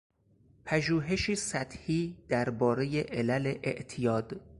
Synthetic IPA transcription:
pʰæʒuːɦe̞ʃiːsæt̪ʰhiːd̪̥æɾbɒːɾe̞jeʔelæleʔeʔt̪ʰijɒːd̪̥

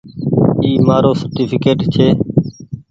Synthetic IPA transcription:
iːmaːɾoːsəɾʈiːpʰɪkeːʈt͡ʃʰeː

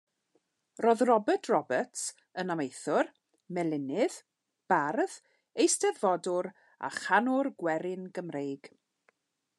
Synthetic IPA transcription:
roːðrɔbətʰrɔbəts | ənamejθʊr | mɛlˠɪnɪð̥ | b̥arð | ejstɛðvɔdʊɾ | a̰χanʊrɡwɛɾɪnɡəmrejɡ̥

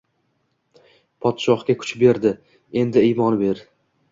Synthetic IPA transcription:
pʰɒt̪ʃɒχkʲakʰʊ̥t͡ʃbe̞ɾd̪ɪ | e̞nd̪ɪijmɒnbe̞ɾ

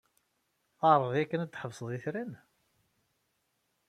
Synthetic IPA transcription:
ɑɾˤəðˤjækːənæd̪ːħəvsˤəðˤiθɾæn

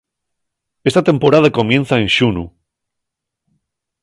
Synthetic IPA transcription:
est̪at̪e̞mpoɾað̞akomjẽnθaenʃunu

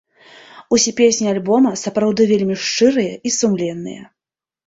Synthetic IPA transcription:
usʲɛpʲesʲnʲialʲbɔmɐsɐpɾawd̪ɨvʲelʲmʲiʂt͡ʂɨɾɨjɐisumlʲɛnːɨ̰jɐ̰

